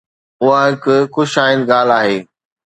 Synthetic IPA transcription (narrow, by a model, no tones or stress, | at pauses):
ʊɦaɦɪkʊxʊʃaːɪn̆ɡaːl̤aːɦeː